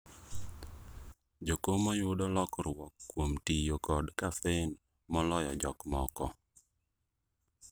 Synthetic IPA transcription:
d͡ʒokomɔjʊdɔlɔkrwɔkːwomtijokɔdkafɛn | mɔlɔjɔ̰d͡ʒɔkmɔkɔ

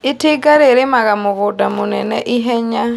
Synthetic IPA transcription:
ɪtɪɡaɾeɾemaɣamoɣʊdamonɛnɛʔiɦɛɲa

